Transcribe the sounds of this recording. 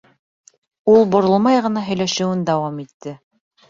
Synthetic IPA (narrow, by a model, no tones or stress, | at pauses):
ulˠbŏɾŏlˠmɑjʁɤ̆nɑɦɵ̆jlæʃɘ̆wɘnd̪ɑwɑmit̪ːɘ